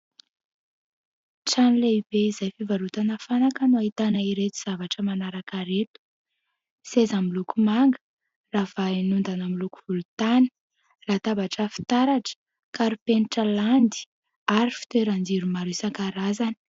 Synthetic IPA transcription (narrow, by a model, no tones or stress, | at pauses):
ʈ͡ʂanileib̥eizajfivaɾut̪anafanakənuait̪anaiɾet̪u̥z̥avaʈ͡ʂəmanaɾakaɾet̪u̥ | sezamilukumaŋɡə̥ | rav̥anund̪anamiluku̥v̥ulut̪ani̥ | raːt̪abaʈ͡ʂəfi̥t̪aɾaʈ͡ʂə̥ | kaɾupeniʈ͡ʂəland̪i̥ | aɾifi̥t̪eɾand͡ziɾumaɾusaŋkaɾazani̥